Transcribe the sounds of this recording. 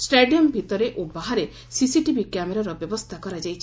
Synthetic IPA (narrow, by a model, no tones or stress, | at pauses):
sʈeɖiɔmbʱit̪ɔɾeʔobaɦaɾe | sisiʈibʱikjameɾaɾɔbjɔbɔst̪ʰakɔɾad͡ʒajt͡ʃʰi